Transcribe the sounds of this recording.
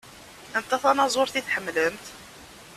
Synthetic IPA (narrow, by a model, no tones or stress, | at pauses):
ənt̪ːæθɑnɑzˤoɾθiθħəmːləmt̪